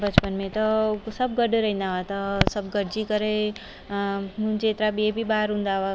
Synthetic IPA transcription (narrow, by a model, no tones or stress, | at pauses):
bɐt͡ʃpənmẽt̪ɔsɐb̚ɡəɖɾɐɦɪ̃nd̪aʋat̪ɔsɐbɡəɾd͡ʒikəɾe | mũd͡ʒeːt̪ɾabʱiebʱibaːɾɦũnd̪aʋa